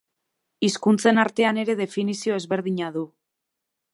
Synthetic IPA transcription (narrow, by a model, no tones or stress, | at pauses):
iskunt͡se̞naɾt̪e̞ane̞ɾe̞ðe̞finisio̞e̞zβe̞ɾðiɲaðu